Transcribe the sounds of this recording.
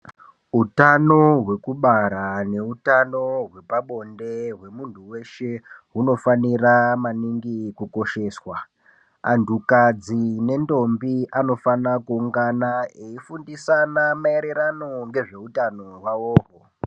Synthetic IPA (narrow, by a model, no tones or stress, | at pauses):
utano̞ɦwe̞kuɓaɾane̞utano̞ɦwe̞paɓo̞nde̞ɦwe̞muntʰuwe̞ʃe̞ɦuno̞faniramaniŋɡikuko̞ʃe̞ːswa | antukad͡zine̞ndo̞mbiʔano̞fanakuːŋɡanaeifundisanamaeɾe̞ɾano̞ŋɡe̞ʐe̞utanoɦwaoːɦo